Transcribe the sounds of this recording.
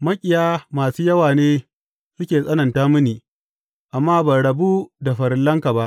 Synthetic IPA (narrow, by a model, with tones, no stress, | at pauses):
mɐ˦kʲʼɪ˨jaː˦maː˨suː˦jɐ˦waː˨neː˦ | sʊ˦kʲeː˨sʼɐ˦nɐ˨ntaː˦mʊ˦niː˨ | ʔa˨mːaː˦bɐ˨ɽɐ˨bu˦da˨ɸɐ˨ɾɪ˨lːɐ˦ŋka˨ba˦ʔ